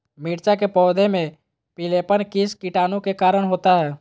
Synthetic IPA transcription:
miːɾt͡ʃakepɔːd̪ʱemẽ | pɪleːpənkiskiʈaːnũkekaːɾəɽ̃ɦoːt̪aɦɛː

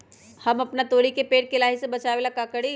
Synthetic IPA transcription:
hɐmɐpnat̪oːɽikepeːʈ̚kelaːɦisebɐt͡ʃaːʋelakakəɽi

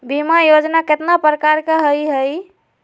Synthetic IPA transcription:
bimajod͡ʒnaket̪napɾəkaɾkeɦəjɦəj

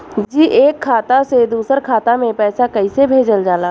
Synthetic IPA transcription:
d͡ʒiːʔeːkʰːaːt̪ased̪uːsəɾkʰaːt̪amẽpɛːsakɐisebʱeːd͡ʒəld͡ʒaːlaː

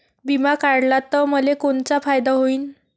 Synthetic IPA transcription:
bimakaɽlat̪əməlekoɳt͡safajd̪aɦoiːn

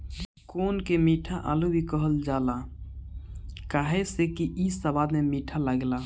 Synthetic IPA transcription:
konkemiʈʰaʔa̰lubʱikəɦəld͡ʒala | kaɦesekiʔisəbad̪memiʈʰaləɡla

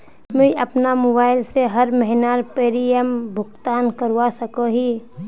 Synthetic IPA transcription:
mẽiʔəpnamobaːɪlseɦəɾməɦɪnaɾpeːɾiəmbʱʊɡt̪aːnkəɾwasəkõɦi

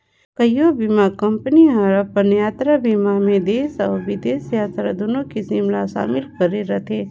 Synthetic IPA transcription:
kəjobimakɐmpəniɦəɾɐpənjaːt̪ɾabimamẽd̪eːsɔːɾʋɪd̪eːsjaːt̪ɾad̪oːnõkisɪmlaʃa̰ːmɪlkəɾeɾɐt̪ʰe

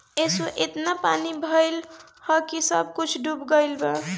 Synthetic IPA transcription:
esuʔet̪napanibʱəjl | hʌkisəb̚ʱkut͡ʃʰɖubɡəɪlba

